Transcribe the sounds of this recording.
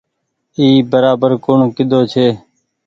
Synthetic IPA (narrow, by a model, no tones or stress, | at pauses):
iːbəɾaːbəɾkʊɳkɪd̪ʱoːt͡ʃʰeː